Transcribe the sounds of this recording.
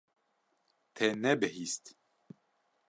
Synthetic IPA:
t̪ʰɛnɛbɨɦist̪

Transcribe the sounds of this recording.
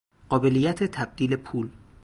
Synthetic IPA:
ɢɒːbe̞lijːæt̪ʰet̪ʰæb̚d̪̥iːle̞pʰuːl

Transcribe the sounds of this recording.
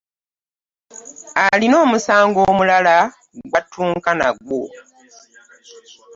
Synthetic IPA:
alino̞ːmusaːŋɡo̞ːmulala | ɡwatːuːŋkana̰ɡwo

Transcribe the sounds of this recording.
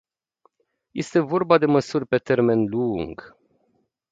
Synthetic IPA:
je̞st̪e̞vo̞rbad̪e̞məsurʲpe̞t̪e̞rme̞nluŋɡ

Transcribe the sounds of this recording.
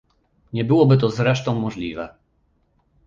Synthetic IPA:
ɲɛbɘwɔbɘt̪̬ɔzɾɛʂt̪ɔ̃w̃mɔʐlʲivɛ

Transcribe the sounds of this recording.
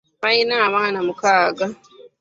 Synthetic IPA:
majnamaːnamukaːɡa

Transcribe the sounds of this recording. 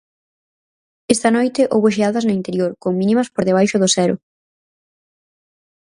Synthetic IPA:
est̪ɐnojt̪ɪʔo̰wβʊʃ̬eaðɐznʊint̪eɾjoɾkoŋminimɐspoɾðeβajʃʊðʊsɛɾʊ̰

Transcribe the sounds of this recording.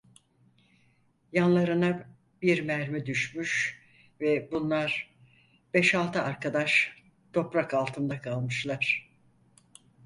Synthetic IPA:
janlˠaɾɯna | biɾmæɾmid̪yʃmyʃ | vɛbunlˠaɾ | b̥ɛʃalˠt̪ʰɯaɾkʰad̪aʃ | t̪ʰo̞pɾakalˠt̪ʰɯnd̪akʰalˠmɯʃlˠaɾ̥

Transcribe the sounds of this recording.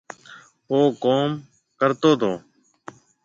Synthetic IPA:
ɦoːkoːm | kəɾt̪oːt̪ʰoː

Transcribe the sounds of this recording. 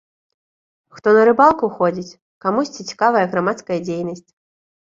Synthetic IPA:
xt̪ɔnɐɾɨbalˠkuxɔd͡zʲit͡sʲ | kamusʲt͡sʲit͡sʲi̥kavɐjɐɣɾamat̪skɐjɐd͡zʲejnɐsʲt͡sʲ

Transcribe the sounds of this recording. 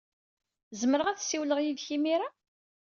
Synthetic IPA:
zəməɾəʁæθsːiwləʁjiðçimiɾa

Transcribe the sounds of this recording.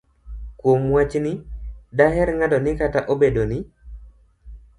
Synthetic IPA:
kwomwat͡ʃnɪdaɦɛɾŋadɔnɪkataʔobedonɪ

